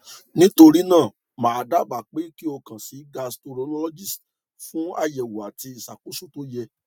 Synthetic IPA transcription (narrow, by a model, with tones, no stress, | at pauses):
nĩ˦to˧ɾi˦nãː˦˨ | mãː˨˧da˦˨ba˨k͡pe˨˦ki˦o˧kã˨si˨˦ɡa˧sto˧ɾo˨˧˦lɔ˦lɔ˦d͡ʒi˦˨s | fũ˦a˦˨jɛ˨wu˨a˨ti˧i˨sa˨ku˨˦su˦˨to˦jɛ˧